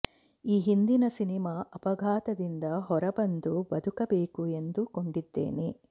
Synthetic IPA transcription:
iːɦind̪inɐsinimaːʔɐpɐɡʱaːt̪ɐd̪ind̪ɐɦɔɾɐbɐnd̪ubɐd̪ʱukɐbeːkue̞nd̪uko̞ɳɖid̪ːḛːne

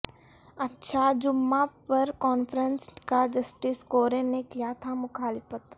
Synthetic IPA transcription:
ɐtːʃʰad͡ʒʊmːapɐɾkɔːnfɾənskad͡ʒɐsʈɪskoːɾenekijat̪ʰamʊxaːlɪfət̪

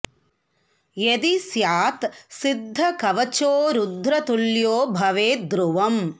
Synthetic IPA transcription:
jed̪isjaːt̪sid̪ʱːɐkɐʋɐt͡ʃoːɾud̪ʱːɾɐt̪uljoːbʱɐʋeːd̪ɾuʋɐm

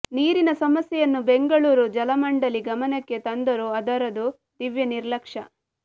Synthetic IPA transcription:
niːɾinɐsɐmɐsjɛjɐnːubeŋɡɐɭuːɾud͡ʒɐlɐmɐɳɖɐliɡɐmɐnɐkːe̞t̪ɐnd̪ɐɾuɐd̪ɐɾɐd̪u | d̪̥iʋjɐniɾlɐkʂɐ

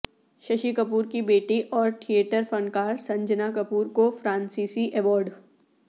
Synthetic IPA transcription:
ʃɐʃikəpuːɾkibeːʈiʔɔːɾʈʰieːʈəɾfə̃nkaːɾsɐ̃ɲd͡ʒənakɐpuːɾkofɾãːnsiːsiʔɛʋɔːɾɖ

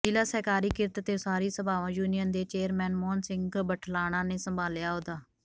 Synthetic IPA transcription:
ɪlaːsɛːkaːɾiːkɪɾt̪t̪eːsaːɾiːsəbaːʋãːjuːnijənd̪eːt͡ʃeːəɾmɛ̃ːnmɔːnsɪ̃ŋɡbəʈʰlaːɽ̃ãːneːsəmbʱaːljaːɦoːd̪aː

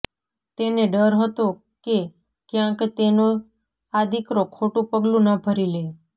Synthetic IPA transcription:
t̪eneɖəɾɦət̪o | ke | kjãkt̪eno | ad̪ʱikɾokʰoʈũpəɡlũnabʱəɾile

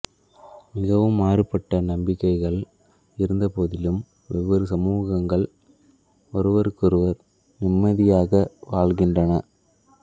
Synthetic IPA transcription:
mɪɣɐʋɯmaːrɯpːɐʈːɐnɐmbɪkːɐɪɣɐɭ | ɪɾɯnd̪ɐpoːðɪlɯm | ʋɛʋɐɾɯsɐmuːɣɐŋɡɐɭ | ɔɾɯʋɐɾɯkːɔɾɯʋɐɾ | nɪmːɐðɪjaːɣɐʋaːɭɣɪndrɐnɐ

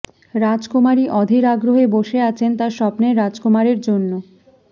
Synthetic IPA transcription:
ɾad͡ʑkomaɾiʔɔd̪ʱiɾaɡɾoɦeboʃeat͡ɕʰent̪aɾʃɔpneɾad͡ʑkomaɾeɾd͡ʑonːo

